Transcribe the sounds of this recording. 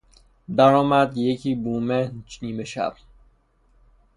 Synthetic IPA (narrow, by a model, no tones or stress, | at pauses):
d̪æɾɒːmæd̪jecʰiːbuːmeniːmeʃæ̰b̥̚